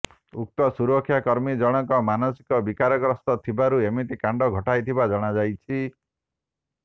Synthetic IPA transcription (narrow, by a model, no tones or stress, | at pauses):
uk̚t̪ɔsuɾɔkʰːjakɔɾmid͡ʒɔɽ̃ɔkɔmanɔsi̥kɔbikaɾɔkɾɔst̪ɔt̪ʰibaɾuemit̪ikaɳɖɔɡʱɔʈajt̪ʰibad͡ʒɔɽ̃ad͡ʒajt͡ʃʰi